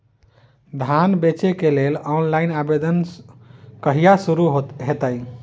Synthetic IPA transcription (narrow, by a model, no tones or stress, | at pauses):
d̪ʱanbet͡ʃekelelɔnlainabed̪ən | kəɦijasuɾuɦot̪ɦet̪əj